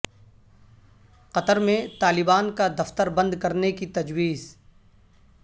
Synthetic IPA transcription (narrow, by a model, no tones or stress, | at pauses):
qɐt̪əɾmẽt̪aːlɪbaːnkad̪ɐft̪əɾbɐ̃nd̪kɐɾnekit̪ɐd͡ʒwiːz